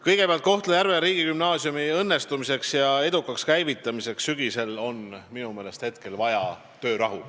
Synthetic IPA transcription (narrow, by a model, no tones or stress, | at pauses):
kɤjɡ̥e̞peɑlt̪ko̞ht̪lejæɾveɾiːɡikymnɑːsjumiɤnːe̞st̪umise̞ksjɑe̞d̪̥ukːˑɑkskæjvit̪ːˑɑmise̞ksːyɡ̥ise̞lo̞nminume̞ːle̞st̪he̞t̪̚ke̞lvɑjɑ | t̪ø̞ːɾɑɦṵ